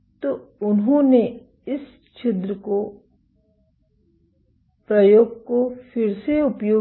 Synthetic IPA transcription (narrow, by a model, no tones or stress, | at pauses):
t̪oʊnɦõːne | ɪs | t͡ʃʰɪt̪ɾəko | pɾɐjoːɡ̚kofɪɾseʊpjoː